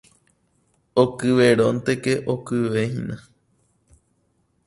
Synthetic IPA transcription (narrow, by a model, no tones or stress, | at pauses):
okɨʋeɾõnt̪ekeʔokɨʋehḭ̃nã